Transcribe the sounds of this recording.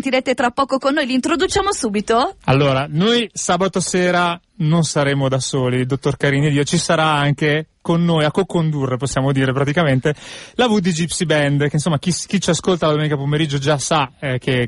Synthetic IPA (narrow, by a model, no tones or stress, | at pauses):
nt̪iɾet̪et̪ɾapːɔːkokonːoːjlint̪ɾod̪ut͡ʃaːmosuːbit̪oalːoːɾanojsaːbat̪oseːɾa | nonsaɾeːmod̪asoːlild̪ot̪ːorkaɾiːnid̪iːot͡ʃisaɾaaŋkekonːoːjakːokond̪urːeposːjaːmod̪iːɾepɾat̪ikament̪elavud̪id͡ʒipsibɛnd̪keinsomːak̟isk̟it͡ʃiaskolt̪alad̪omeːnikapomeɾid͡ʒːod͡ʒasak̟e